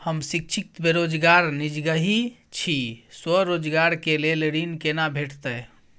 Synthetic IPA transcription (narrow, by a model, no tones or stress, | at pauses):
həmsik̚t͡ʃʰik̚t̪beɾod͡ʒɡaɾnid͡ʒɡəɦi | t͡ʃʰiswəɾod͡ʒɡaɾkelelɾinkenabʱeʈʰt̪əj